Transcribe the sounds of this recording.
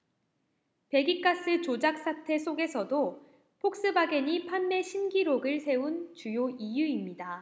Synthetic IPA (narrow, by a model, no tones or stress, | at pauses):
pe̞ɡik͈as͈ɯt͡ɕod͡ʑak̚s͈atʰe̞sʰoɡe̞sʰʌdo | pʰok̚s͈ɯbaɡeɲipʰanme̞ɕʰinɡiɾoɡɯɭsʰe̞unt͡ɕujoijuimɲida